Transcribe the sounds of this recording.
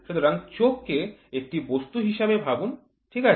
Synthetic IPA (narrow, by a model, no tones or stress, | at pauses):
ʃut̪ʰoɾaŋt͡ɕokːeek̚ʈibost̪uɦiʃabebʱabun | ʈʰika